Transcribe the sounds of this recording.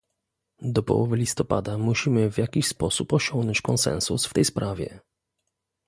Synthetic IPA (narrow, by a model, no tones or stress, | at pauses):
d̪ɔpɔ̰wɔvɘlʲist̪ɔpa̰d̪amuɕimɘvʲjakʲiɕspɔsupɔɕɔŋɡnɔɲt͡ɕkɔnsɛ̰nsusft̪ɛjspɾʔavʲjɛ̰